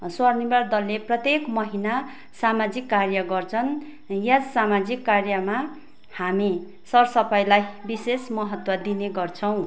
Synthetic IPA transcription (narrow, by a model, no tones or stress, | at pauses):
swʌrnibard̪ʌlːeprʌt̪jekmʌɦina | samad͡zikːarjʌɡʌrt͡sʰʌn | jasamad͡zikːarjʌma | hami | sʌrsʌpajlajbisesmʌɦʌt̪wʌd̪ineɡʌrt͡sʰʌw̃